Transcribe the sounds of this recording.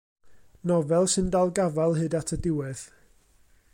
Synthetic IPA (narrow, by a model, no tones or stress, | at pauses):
nɔvɛlˠsɨndalˠɡavalˠɦɨdatʰədɪwɛð̥